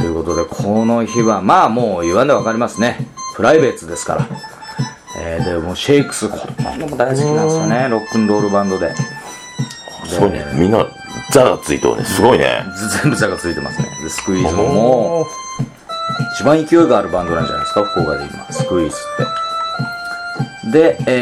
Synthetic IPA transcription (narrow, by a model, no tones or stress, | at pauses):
t̪o̞jɯ̟ko̞t̪o̞d̪e̞kʰono̞çiβamaːmo̞ːiβãnd̪eβakaɾʲimasɨne̞pɯ̟ɾaibe̞ːt͡sɨd̪e̞sɨ̥ka̰ɾa̰ | eːd̪e̞moːɕe̞ikɯ̟̥sɨk̪omod̪aziiiãkaneɾo̞kːɯ̟̃nd̪o̞ːɾɯ̟bãnd̪o̞d̪e̞ | d̪emʲĩnːa̰ | zaɡa̰t͡sɨḭt̪o̰ːnḛsɨɡo̞inḛd͡zẽmbɯ̟zaɡat͡sɨit̪e̞ma̰sɨnḛd̪esɨ̥kɯ̟iːzɨmomoː | it͡ɕibãɰ̃ikʲio̞iɡaːɾɯ̟bãnd̪oãɲa̰d̪sɨ̥kakoːɡad̪e̞̰kʲima̰ssɨ̥kɯ̟iːsɨ̥t̪ːe̞ | d̪e̞